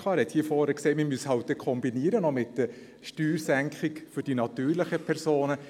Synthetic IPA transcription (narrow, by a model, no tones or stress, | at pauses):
ɑːɾhɛt̪hiːəfɔːɾəkseːmɪmyəshɑwt̚d̥ɛkʰɔmbiniːəɾənɔmɪtdə | ʃtyːɾsæŋkχɪkfʏɾd̥inɑt̪yːɾlɪχəpʰɛɾsoːnə